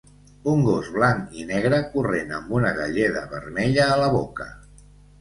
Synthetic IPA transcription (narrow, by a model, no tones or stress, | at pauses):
uŋɡozβlaninɛɣ̞ɾəkurenəmbunəɣəʎeðəβəɾmɛʎəːləβokə